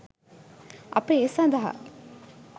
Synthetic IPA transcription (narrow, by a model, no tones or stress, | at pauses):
ʔɐ̰peːsɐ̃nd̪ɐɦa̰